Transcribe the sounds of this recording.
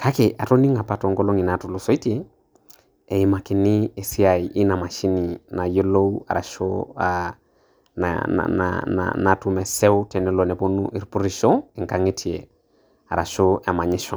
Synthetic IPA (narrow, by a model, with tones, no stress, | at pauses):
kʰa˦ke˨ʔa˨to˦ni˦ŋa˨pa˨to˨ŋɡo˦lo˦ŋi˨na˨tu˨lo˨so˦i˦te˦ | ɛ˨i˨ma˨kɪ˨nɪ˦e˨si˦a˨i˨ʔɪ˦na˨ma˨ʃi˦ni˨na˨jo˦lo˦u˦a̰˨ɾa̰˨ʃo˦a | na̰na̰na̰na˨tu˨˦mɛ˨sɛ˦ʊ˦tɛ˨nɛ˦lo˨nɛ˨po˦nṵ˦ʔi˨ɾpu˦ɾi˦ʃɔ˦ɪ˨ŋka˦ŋe˦tʰi˨e˨ | a˨ɾa˨ʃo˦a˨ma˨ɲɪ˦ʃɔ˨